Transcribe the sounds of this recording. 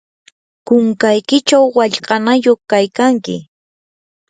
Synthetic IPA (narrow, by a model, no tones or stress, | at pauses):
kʊŋkajkɪt͡ʃawːaʎqʼɑnajoχkajkaŋkɪ̰